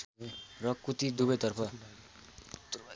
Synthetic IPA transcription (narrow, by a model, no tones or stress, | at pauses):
rʌkut̪id̪ubʌjt̪ʌrpʰʌ